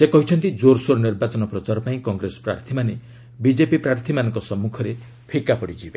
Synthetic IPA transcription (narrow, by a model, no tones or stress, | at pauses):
sekɔɦit͡ʃʰɔnt̪id͡ʒoɾsoɾɔniɾbat͡ʃɔnɔpɾɔt͡ʃaɾɔpaĩkɔŋɡɾesɔ̥pɾa̰ɾt̪ʰimane | bid͡ʒepipɾaɾt̪ʰimanɔŋkɔsɔmːukʰɔɾe | pʰikapɔɽid͡ʒibe